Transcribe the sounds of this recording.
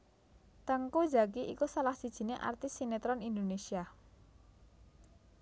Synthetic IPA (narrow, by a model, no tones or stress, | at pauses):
t̪əŋko̥d͡ʒa̤kiʔḭkusalahsid̥ʒ̥i̤neʔa̰rt̪ɪsinet̪ɾɔnind̪onesia